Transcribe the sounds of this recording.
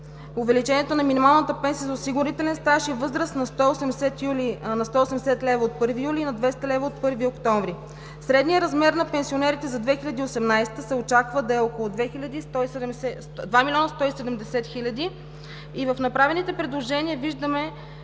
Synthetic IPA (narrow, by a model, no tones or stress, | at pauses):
ʊvɛlit͡ʃɛniɛt̪onɐminimalˠnət̪əpɛnsiəzɐʊsiɡʊɾit̪ɛlɛnst̪aʃivɤzɾəsnɐst̪ɔosɛmsɛt̪julinɐst̪ɔosɛmɛsɛt̪lɛvəot̪̚pɤɾvijuliːnɐd̪vɛst̪əlɛvəot̪̚pɤɾviokt̪ɔɱvɾi | sɾɛd̪nijəɾɐzmɛɾnɐpɛnsionɛɾit̪ɛzɐd̪vɛxilʲɐd̪iosɛmnajst̪əsɛot͡ʃakvəd̪ɐɛokolˠʊd̪vɛxilʲɐd̪it̪ɔɛ | d̪vamilʲɔnəst̪ɔisɛd̪ɛmd̪ɛsɛt̪xilʲɐd̪i | ivəfnɐpɾavɛnit̪ɛpɾɛd̪lˠoʒɛniəviʒd̪əmɛ